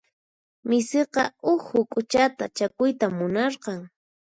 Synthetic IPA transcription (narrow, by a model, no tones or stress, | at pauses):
mɪseqɑʊhʊkʼʊt͡ʃat̪at͡ʃakʊjt̪amːʊnɑɾqɑŋ